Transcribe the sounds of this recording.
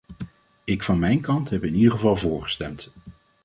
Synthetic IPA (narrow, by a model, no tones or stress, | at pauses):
ɪkfɑnmɛjnkɑntɦɛpɪnidəχəvɑlˠvʊːɹχə̥stɛmt